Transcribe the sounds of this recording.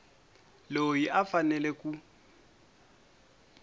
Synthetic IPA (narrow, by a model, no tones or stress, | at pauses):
lojiʔafanɛlɛkʼu